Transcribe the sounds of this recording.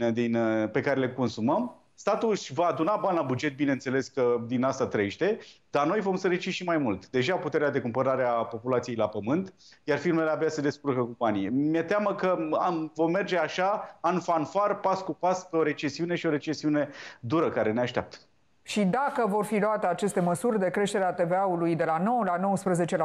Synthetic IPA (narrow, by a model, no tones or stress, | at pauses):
d̪inpe̞kaɾeleko̞nsuməm | st̪at̪uʃvaːd̪unabanʲlabud͡ʒe̞t̪̚binense̞le̞skəd̪inast̪at̪ɾəeʃt̪e̞d̪̥arno̞jvo̞msəɾit͡ʃiʃimajmult̪d̪e̞ʒaput̪e̞ɾead̪e̞kumpəɾaɾeapo̞pulat̪sijejlapəmɨnt̪jarfirme̞leabeased̪e̞skurkəkumpanijemiet̪eaməkəavo̞mme̞rd͡ʒe̞aʃaanfanfarpaskupaskeo̞ɾe̞t͡ʃe̞siune̞ʃio̞ɾe̞t͡ʃe̞siune̞d̪uɾəkaɾe̞ne̞aʃt̪ea̰p̚t̪ə̥ | ʃid̪akəvo̞rfiluat̪e̞at͡ʃe̞st̪e̞məsurʲd̪e̞kɾe̞ʃt̪e̞ɾeat̪e̞veaulujd̪e̞lano̞wəlano̞wəspɾəze̞t͡ʃel